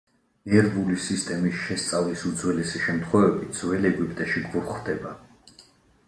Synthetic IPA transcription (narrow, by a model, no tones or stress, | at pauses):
nɛɾvulisist̪ʼɛmisʃɛst̪sʼavlisud̪zwɛlɛsiʃɛmt̪ʰχwɛvɛbit̪̚d̪z̥wɛlɛɡwipʼt̪ʼɛʃiɡuɾχd̪ɛba